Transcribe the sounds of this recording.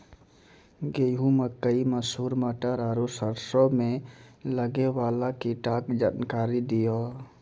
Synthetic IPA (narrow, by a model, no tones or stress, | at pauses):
ɡeːɦũməkːəiməsuːɾməʈəɾaːɾosəɾsomẽləɡewaːlakiʈaːkd͡ʒaːnkaːɾid̪ijoː